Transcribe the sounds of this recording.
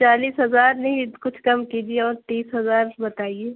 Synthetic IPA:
t͡ʃaːliːsɦɐzaːɾnɐɦĩkʊt͡ʃʰkɐmkiːd͡ʒieɔːɾt̪iːsɦɐzaːɾbɐt̪aːieː

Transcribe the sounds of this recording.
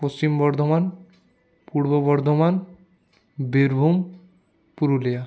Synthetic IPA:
post͡ɕimbɔɾd̪ʱoman | puɾbɔbɔɾd̪ʱoman | beɾbʱum | puɾuleja

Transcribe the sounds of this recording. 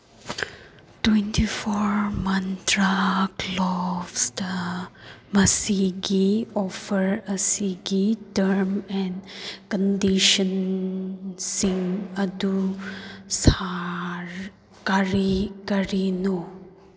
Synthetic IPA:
twentʰipʰɔɾmɐntɾaklɔbsdɐ | mɐsiɡiɔpʰəɾɐsiɡitɐɾmɛnkəndiʃən | siŋɐdu | saɾ | kaɾikɐɾinɔ

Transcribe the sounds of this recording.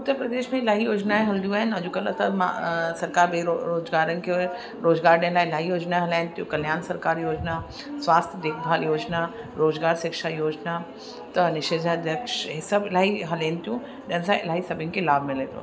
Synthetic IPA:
ʊt̪ːəɾpɾɐd̪eːʃmẽɪlaːɦijoːd͡ʒnaẽɦɐld̪ũaːɦɪnɐd͡ʒukɐlət̪ɐma̰sɐɾkaːɾbeoɾoːd͡ʒɡaːɾənɪ̆kʰe | ɾoːd͡ʒɡaːɾɖẽlaːɪlaːɦijoːd͡ʒnaeɦɐlaːnt̪ijũkɐljaːnsɐɾkaːɾjoːd͡ʒna | sʋaːst̪ʰjəd̪eːkʰb̪ʱaːljoːd͡ʒna | ɾoːzɡaːɾʃɪkʃajoːd͡ʒna | t̪ɐnɪʃeːzʱad̪ʱjɐkʃɦisɐbɪlaːɦiɦɐleːnt̪ijũ | d͡ʒɐnsãɪ̰laːɦisɐbʱənɪkelaːbʱmɪ̃lẽːt̪o̰

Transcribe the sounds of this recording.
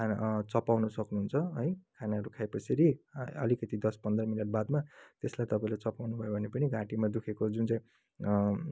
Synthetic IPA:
at͡sʌpawnusʌknuɦunt͡sʰʌʌjkʰanaʌɾukʰajpʌsʰiɾiʌ̰likʌt̪id̪ʌspʌnd̪rʌmineʈ̚bad̪mat̪eslajt̪ʌpaĩlat͡sʌpawnubʱʌjobʱʌnepʌniɡãʈimad̪ukʰekod͡zunt͡saĩ

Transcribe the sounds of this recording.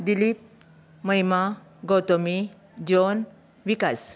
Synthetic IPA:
d̪ilip̚ | məjma | ɡɔt̪ɔmi | d͡ʑon | ʋikas

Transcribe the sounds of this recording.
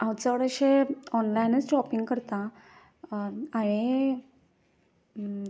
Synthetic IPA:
ãwt͡səʋəɽəɕeɔnlainət͡sɖɾɔpiŋɡkəɾt̪a | aɭ̃e

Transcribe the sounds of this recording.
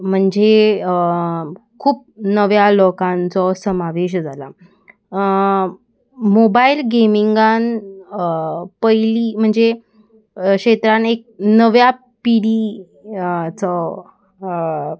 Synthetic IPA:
m̤əɳd͡ze | kʰuːp̚nəʋjalokãnt͡sɔsəmaʋeɕ̬d͡zʱala | mobailɡemiŋɡan | pəjliːm̤əɳd͡ze | kɕet̪ɾanek̚nəʋja | piɽi | t͡sɔ

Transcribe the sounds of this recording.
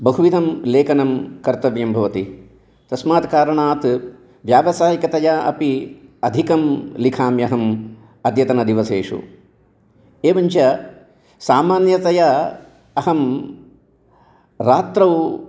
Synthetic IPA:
bɐɦuʋid̪ʱɐmleːkɐnɐmkɐɾt̪ɐʋjɐmbʱɐʋɐt̪i | t̪ɐsmaːt̪kaːɾɐɳaːt̪ | ʋjaːʋɐsaːjikɐt̪ɐjɐɐ̰piɐd̪ʱikɐmlikʰaːmjɐɦɐm | ɐd̪jɐt̪ɐnɐd̪iʋɐseːʂṵ | eːʋɐɲt͡ʃɐ | saːmaːnjɐt̪ɐjɐ | ɐɦɐm | ɾaːt̪ɾɐw

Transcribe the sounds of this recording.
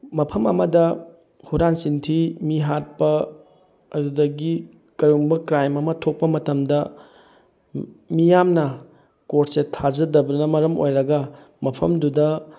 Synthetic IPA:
mɐpʰɐmɐmɐdɐ | huɾansintʰimiɦat̚pɐ | ɐdudɐɡi | kɐɾuŋbɐkɾajmɐmɐtʰok̚pɐmɐtɐmdɐ | mijamnɐ | koɾtsetʰazɐdɐbɐnɐmɐɾɐmo̰jɾɐɡɐ | mɐpʰɐmdudɐ

